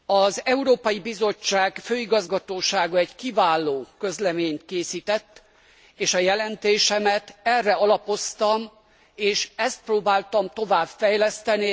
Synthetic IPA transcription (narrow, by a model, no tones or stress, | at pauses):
ɒzɛuɾoːpɒjibizo̞t͡ʃːaːɡføːiɡɒzɡɒt̪oːʃaːɡɒɛɟkivaːlːoːkø̞zlɛmeːɲt̪keːsiːt̪ɛt̪ː | eːʃɒjɛlɛnt̪eːʃɛmɛt̪ɛrːɛɒlɒpo̞st̪ɒm | eːʃɛst̪̚proːbaːlt̪ɒmt̪o̞vaːbfɛjlɛst̪ɛni